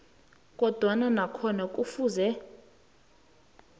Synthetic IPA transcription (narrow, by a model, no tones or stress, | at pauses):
k̬ʼɔd̥ʱwananakʰɔnak̬ʼufuːzɛ